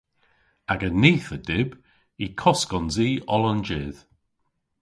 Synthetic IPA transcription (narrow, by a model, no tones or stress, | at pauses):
aɡəniːθədɪb | ikʰɔskɔnziːɔlɔnd͡ʒɪð̥